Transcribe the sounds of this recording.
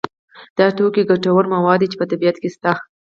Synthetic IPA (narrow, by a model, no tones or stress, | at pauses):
d̪̥ɑt̪okeɡaʈawəɾmawɑd̪it͡ʃe̥pət̪abijat̪kest̪ax